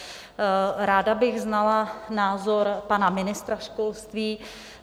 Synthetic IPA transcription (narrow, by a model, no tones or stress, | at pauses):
ɾaːdabɪɣznalanaːzoɾpanamɪnɪst̪ɾaʃkolst̪viː